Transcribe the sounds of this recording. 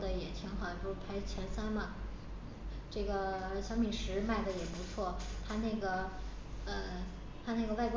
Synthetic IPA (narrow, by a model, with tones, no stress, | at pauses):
d̪ə˩jɛ˨˩t̪ʰi˧˥ŋxɑ˨˩˦pwpʰa˧˥ɪt͡ɕʰjɛ˧˥nsa˥nmɐ˨˥˩ | ʈ͡ʂɤ˥˩ɡə˩ə˧˥ɕjɑ˥ŋmi˨˩ʂɻ̩˧˥ma˥˩ɪd̪ə˩jɛ˨˩pu˧˥t͡sʰwɔ˥˩t̪ʰa˥na˥˩ɡə˩ | ə˧˩ | t̪ʰa˥na˥˩ɡə˩wa˥˧ɪkw